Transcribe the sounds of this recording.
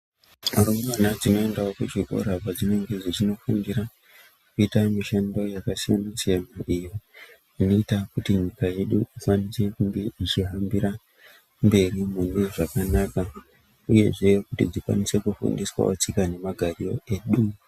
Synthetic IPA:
arumumanad͡zino̞e̞ndaokuʐiko̞̰ɾapad͡zineŋɡe̞d͡zit͡ʃino̞funɡiɾa | kuitamiʃando̞jakasijanasiamaijo | ino̞itakutiɲikaje̞ɗuifwanisekuɡiit͡ʃiɦambiɾa | mbe̞rimuneʐakanaka | uje̞ʐe̞kutḭd͡zikwa̰nise̞kufṵndiswa̰ot͡sikane̞maɡʱario̞̰e̞ːɗu

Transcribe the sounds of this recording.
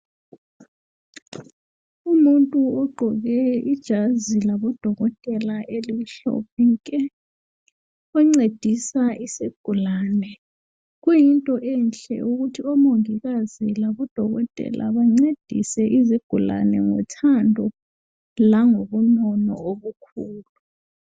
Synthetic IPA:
umuntʼuɔɡ͡ǃʱɔɣɛid̥ʒ̥ʱazilaβɔd̥ʱɔɣɔtʼɛlaʔeliiɬɔ̰piŋkʼɛ | uŋ͡ǀed̥ʱisaʔisiɡ̥ʱulanɛ | ɣujintʼɔʔɛnt͡ɬʼɛ̰ʔuɣutʰiɔmoŋiɣazilaβɔd̥ʱɔɣɔtʼɛ̰lʔa̰βaŋ͡ǀed̥ʱḭsɛʔiziɡ̥ʱula̰nɛŋɔ̰tʰandʱɔ | laŋoβunɔnɔ̰oβukʰuːlu

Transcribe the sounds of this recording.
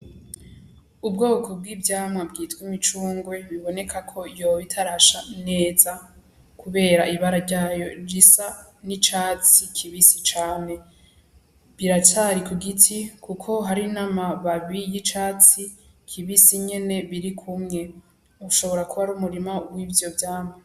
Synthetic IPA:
ub̚ɡo̞ːko̞b̚ɡiːbɟaːmŋabɡiːtkwimit͡ʃuːŋɡwe̞βiβo̞ne̞kʰakʰo̞joβitʰaɾaʃane̞ːza | kuβe̞ːɾaʔiβaɾaɾɟaːjo̞ɾisa | nit͡ʃaːt͡sikʰiβisit͡ʃaːne̞ | βiɾat͡ʃaɾikuɡitʰikukʰo̞ɦaɾinamaβaβijit͡ʃaːt͡si | kʰiβisiɲe̞ne̞βiɾikʰumŋe̞ | uʃo̞βo̞ɾakuβaɾumuɾimawibjo̞bjaːmŋa

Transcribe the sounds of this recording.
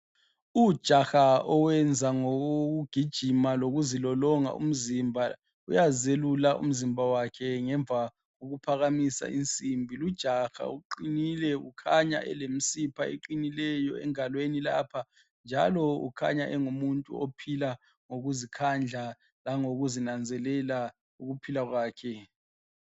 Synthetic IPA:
ud̥ʒ̥ʱaxaɔwɛnd͡zʱaŋouɡ̥ʱid̥ʒ̥ʱimaloɣuzilɔlɔŋa̰ʔṵm̩zimbʱa | ujazelulaʔṵm̩zimbʱawakʰɛŋɛɱvʱa | ɣoɣupʰaɣamisa̰int͡sʼimbʱilud̥ʒ̥ʱaxa̰uǃinilɛukʰaɲa̰ʔɛ̰lemisipʰaḛǃinilɛjɔɛ̰ŋalwenila̰ːpʰa | nd͡ʒʱalɔṵkʰa̰ɲaʔɛŋumuntʼṵopʰila | ŋoɣuzikʰand͡ɮʱa | laŋoɣuzinand͡zʱɛlɛla | uɣupʰilaɣwaːkʰɛ

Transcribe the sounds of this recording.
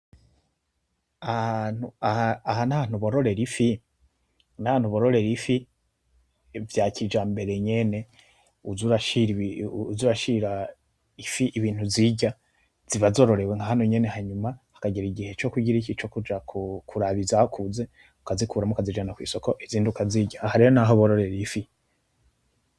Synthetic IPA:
ahanhuahaahanaan̥huβoɾo̞ɾe̞ɾifi | naan̥huβoɾoɾe̞ɾifi | vjaːcid͡ʒaːmbe̞ɾe̞ɲe̞ne̞ | uzuɾaʃiɾuzuːɾaʃiɾa | ifiʔiβiːn̥huziɟa | z̥iβazo̞ːɾo̞ɾe̞weŋɡaɦanoɲe̞ne̞haɲumahḁkaɡiɾiɟihe̞t͡ʃo̞kuɟiɾicit͡ʃo̞kud͡ʒakʰukʰuɾaβizahokʰuze̞ | ukazikʰuɾamukazid͡ʒanakwḭːso̞ko̞ʔiziːndiukaziɟaːhaɾejonaɦoβoɾo̞ɾe̞ɾifi

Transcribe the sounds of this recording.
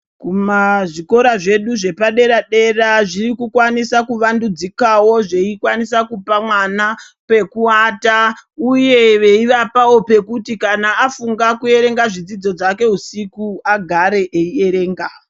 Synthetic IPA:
kumaʐiko̞ɾaʐe̞ɗuʐe̞paɗe̞ɾaɗe̞raʐiɾikukwanisakuʋandud͡zikawo̞ʐe̞ikwanisakupamwana | pe̞kuatauje̞ʋe̞iʋapao̞pe̞kutikanaːfuŋɡakue̞ɾe̞ŋɡaʐid͡zid͡zo̞d͡zake̞ɦusikuaɡʱaɾe̞ʔeie̞ɾe̞ːŋɡa

